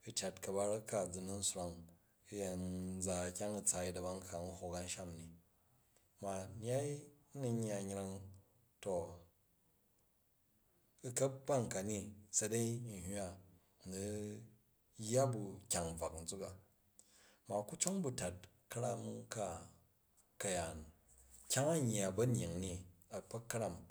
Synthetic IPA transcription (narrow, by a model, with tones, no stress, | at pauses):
ɨ˨t͡ʃa˨tkɐ˨ba˧ɾɐ˦ka˨d͡zu˨nu˦n̩˦sɾa˨ŋ˦ | ja˨n˦d͡za˨kʲa˦ŋɐ˨t͡sa˨i˦dɐ˨ba˦ŋ˦ka˨n̩˦ho˨ka˧n̩˦ʃa˦mni˨ | ma˨n˦a˦i˦nu˧ɲː˦a˨ɲ˦ɾa˧ŋ | to˨ | u˧kɐ˦p̚ba˦ŋka˨ni˦sɐ˧de˦i˦n̩˨ɦa˦ | nu˨ | jːa˦bu˨kʲa˨ŋ˨b͡va˨kn̩˨d͡zu˦ka˨ | ma˨ku˦t͡ʃo˦ŋbu˨ta˨t̚ | kɐ˦ɾa˦mka˦ | kɐ˨ja˨n | kʲa˦ŋa˦ɲː˨a˨bɐ˦n˨i˨ŋni˦a˨pɐ˦kːɐ˦ɾa˦m